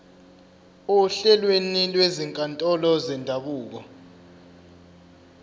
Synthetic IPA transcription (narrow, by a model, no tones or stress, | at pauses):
uɬɛlwenilweziŋkʼantʼɔlɔzɛndʱaɓuːk̬ɔ